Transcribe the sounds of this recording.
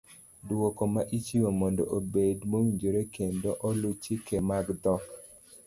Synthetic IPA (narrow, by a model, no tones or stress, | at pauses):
dwokomaʔit͡ʃiwomɔndo̰ʔobedmowiɲd͡ʒoɾekendoʔɔlut͡ʃikemaɡd̪ɔk